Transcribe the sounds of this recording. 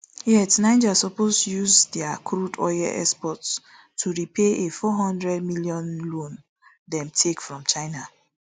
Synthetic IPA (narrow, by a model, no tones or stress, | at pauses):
jɛtnãɪ̃d͡ʒasɔpostujuzdɛakʰɾudɔ̰jɛ̰ʔɛkspɔt | tʰːuɹipʰeʔefɔɦɔ̃ndɹɛd̚milijɔ̃nlõn | dɛ̃mtʰekfɹɔ̃mt͡ʃaɪna